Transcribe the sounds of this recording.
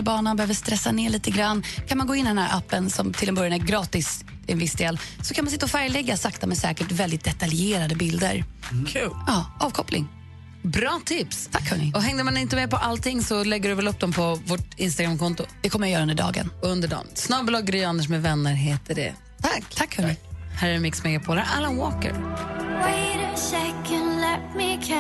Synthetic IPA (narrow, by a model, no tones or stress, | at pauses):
bɑːɳənbɛhøːvəʂt̪ɾɛsːaneːɭiːt̪əɡɾanːkʰanmanɡoːɪnːɪd̪ɛnæːɾʔapːənsɔmt̪ʰɪlɛnbœɾjanæɾɡɾɑːt̪ɪs | ɪɛnvɪsd̪eːlsɔkʰanmansɪt̪ːaɔfæɾjlɛɡːasakt̪amɛsɛːkəʈvɛld̪ɪt̪̚d̪ɛt̪aljeːɾad̪əbɪld̪ə̰ɾkʰʉːlɑːɑːvkʰɔplɪ̰ŋ | bɾɑːt̪ʰɪpst̪ʰakːhənɪɔɦɛŋd̪əmanɪnt̪əmɛpɔʔalt̪ɪŋːsɔlɛɡːəɖɵvɛlɵp̚ːd̪ɔmpʰɔvoʈɪnst̪aɡɾamkʰɔnt̪ʊd̪̥ɛkʰɔmːəjajœːɾɵnd̪ɖɑ̰ːɡə̰nɵnd̪əɖɔ̰msnɑːblɑɡːɾʏand̪əʂmɛvɛnːəɾɦeːt̪ʰəɖɛ̰ | t̪ʰaakːhɵnɪhæɾmɪksmɛɡapʰoːləɾʔalənwoːkə̰ɾweɪɾəʃɛkənlɛtmɪkʰ